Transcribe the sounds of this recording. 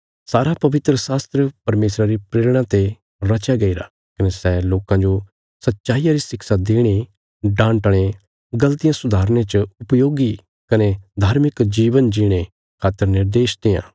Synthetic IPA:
saːɾapɐʋɪt̪ɾəsaːst̪ɾəpɐɾmeːsɾaɾipɾeːlɽ̃ãt̪e | ɾɐt͡ʃjaɡɐiɾa̰ | kɐnesɛloːkãd͡ʒo | sɐtːʃaːɪjãɾisɪksad̪eːɽ̃i | ɖãːɳʈɽ̃e | ɡɐlt̪ɪjãsʊd̪ʱaːɾñẽt͡ʃʊpjoːɡi | kɐned̪ʱaːɾmɪkd͡ʒiːʋənd͡ʒiɽ̃e | kʰaːt̪ːəɾnɪɾd̪eːʃt̪ejã̰ː

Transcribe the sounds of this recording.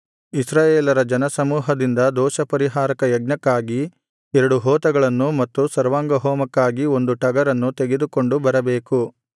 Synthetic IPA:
isɾaːjeːlɐɾɐd͡ʒɐnɐsɐmuːɦɐd̪ind̪ɐd̪ɔːʃɐpɐɾiɦaːɾɐkɐjɐɡ̚nɐkːaːɡi | ɛɾɐɽuɦɔːt̪ɐɡɐɭɐnːumɐt̪ːusɐɾʋaːŋɡɐɦɔːmɐkːaːɡio̞nd̪uʈɐɡɐɾɐnːut̪e̞ɡed̪uko̞ɳɖubɐɾɐbe̞ːku

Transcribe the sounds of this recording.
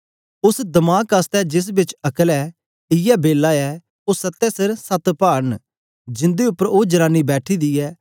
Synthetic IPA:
ʊsd̪ɐmaːkast̪ɛd͡ʒɪs̬bɪt͡ʃɐkəlɛː | ɪjabeːlːaɛː | oːsɐt̪ːɛsɪɾsɐt̪paːn | d͡ʒɪ̃nd̪eʊpːəɾoːd͡ʒəɾãːnibɛːʈʰid̪iɛː

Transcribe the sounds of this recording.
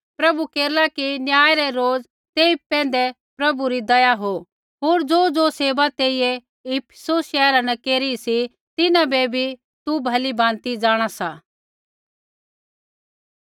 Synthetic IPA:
pɾɐbukeːɾlakinjaːjɾɛɾoːd͡z | t̪eːipɛ̃ːnd̪ɛ | pɾɐbuɾid̪ɐjaɦo | ɦoːɾd͡zoːd͡zoseːbat̪eːijɛ | ipʰsosʃɛːɾanɛkeːɾiisi | t̪ɪnãbebʱi | t̪ubʱɐlibãːnt̪id͡ʒaːɽ̃asaː

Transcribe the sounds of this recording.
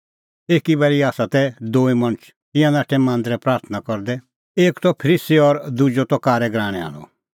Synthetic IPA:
eːkibɛɭiaːsat̪ɛd̪oːimɐñət͡ʃʰ | t̪ɪ̃jãnaːʈʰɛmãːnd̪ɾɛpɾaːɾt̪ʰənakɔɾd̪ɛ | eːkt̪ɔpʰəɾisiɔɾd̪ud͡ʒot̪ɔkaːɾɛɡɾaːɽ̃ɛ̃a̰ːl̃ɔ̰

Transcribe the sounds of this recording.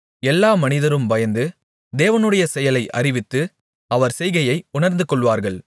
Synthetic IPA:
ɛlːaːmɐnɪðɐɾɯmbɐjɐnd̪ɯ | d̪eːʋɐnɯɽɐjɐsɛjɐlɐɪʔɐ̰rɪʋɪt̪ːɯ | ɐʋɐɾsɛjɣɐjɐɪʊɳɐɾnd̪ɯkɔɭʋaːɾɣɐɭ

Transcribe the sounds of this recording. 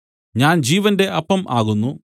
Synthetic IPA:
ɲaːnd͡ʑiːʋɐnde̞ʔɐpːɐmʔaːɣunːu

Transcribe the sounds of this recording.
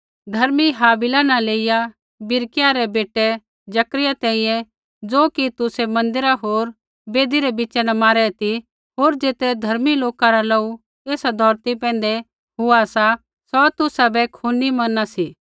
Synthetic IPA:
d̪ʱɐɾmiɦaːbɪlanɐleːɪja | bɪɾkɪjaɾɛbeːʈɛ | d͡ʒɐkɾɪjat̪ɛ̃ːĩjɛ̃ | d͡zoːkit̪ʊsɛmɐ̃nd̪ɪɾaɦoːɾ | beːd̪iɾɛbɪːt͡ʃɛnɐmaːɾɛt̪i | ɦoːɾd͡ʒeːt̪ɛd̪ʱɐɾmiloːkaɾalɐu | eːsad̪ʱɔːɾt̪ipɛ̃ːn̆d̪ɛ | ɦʊasa | sɔt̪ʊsabɛkʰunimɐnasiː

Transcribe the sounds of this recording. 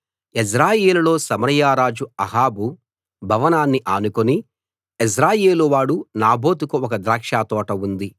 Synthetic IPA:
is̬ɾaːjeːlulo̞ːsɐmɐɾɐjaːɾaːd͡ʒuɐɦaːbu | bʱɐʋɐnaːnːiʔaːnukoni | is̬ɾaːjeːluʋaːɽunaːbʱo̞ːt̪ukuɔk̬ɐd̪ɾaːkʂaːt̪ɔːʈɐund̪i

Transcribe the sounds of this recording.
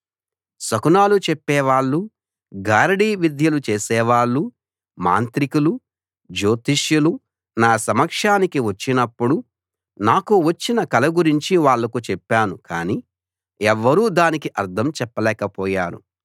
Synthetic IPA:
sɐkunaːlut͡ʃɛpːɛːʋaːɭːu | ɡaːɾɐɽiːʋid̪ʱjɐlut͡ʃeːsɛːʋaːɭːu | ma̰ːnt̪ɾikulu | d͡ʒoːt̪iʂjulu | naːsɐmɐkʂaːnikiʋɐt͡ʃːinɐpːuɽu | naːkuʋɐt͡ʃːinɐkɐlɐɡuɾiɲt͡ʃiʋaːɭːɐkut͡ʃɛpːaːnuka̰ːniː | ɛʋːɐɾuːd̪aːnikiʔɐɾd̪ʰʱɐmt͡ʃɛpːɐlɛːkɐpɔːjaːɾṵ

